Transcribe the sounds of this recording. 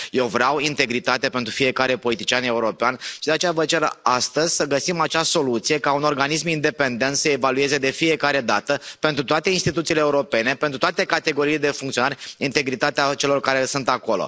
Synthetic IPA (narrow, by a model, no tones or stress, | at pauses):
je̞wvɾeawint̪e̞ɡɾit̪at̪ape̞nt̪ɾufije̞kaɾe̞po̞lit̪it͡ʃiane̞uɾo̞peanʃid̪eat͡ʃejavət͡ʃe̞ɾast̪əzʲsəɡəsimat͡ʃaso̞lut̪sije̞kauno̞rɡanis̬mind̪e̞pe̞nd̪e̞nt̪səevalue̞ze̞d̪e̞fije̞kaɾe̞d̪at̪əpe̞nt̪ɾut̪oat̪einst̪it̪ut̪siːleːuɾo̞pe̞ne̞pent̪ɾut̪oat̪e̞kat̪e̞ɡo̞ɾiːled̪e̞fuŋkt̪sio̞naɾʲint̪e̞ɡɾit̪at̪eat͡ʃe̞lo̞rkaɾe̞sunt̪ako̞lo̞̰